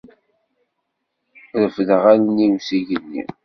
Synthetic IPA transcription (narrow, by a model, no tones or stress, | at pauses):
ðəfðəʁalnimsiʝənːḭ